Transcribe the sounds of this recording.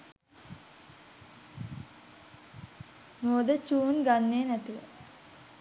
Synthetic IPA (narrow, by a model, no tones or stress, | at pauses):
moːd̪ət͡ʃuːnɡanːeːnæt̪iʋə̰